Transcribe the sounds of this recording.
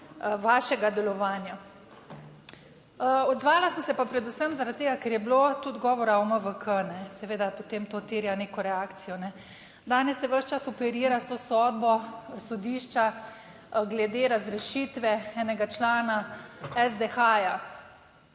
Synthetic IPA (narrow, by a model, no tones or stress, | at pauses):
ʋaːʃɛɡad̪ɛlɔʋaːnja | ɔd̪zʋaːlasənsɛpapɾɛd̪usəmzaɾat̪t̪ːeːɡakɛɾjɛblot̪ud̪ɡɔːʋɔɾaoməʋəkʰənɛsɛʋeːd̪apot̪emt̪ot̪iːɾjaneːkɔɾɛaːkt̪sijɔnɛ | d̪aːnɛsjɛʋəʃt͡ʃasɔpɛɾiːɾast̪oːsɔːd̪̚bɔsɔd̪iːʃt͡ʃa | ɡlɛd̪eːɾazɾɛʃit̪ʋɛɛːnɛɡat͡ʃlaːnaɛzd̪exaja